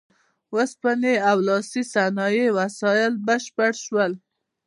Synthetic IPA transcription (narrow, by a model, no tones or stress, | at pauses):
wəspaneawlɑsisanɑjewasɑjɪlbəʃpəɽʃwəl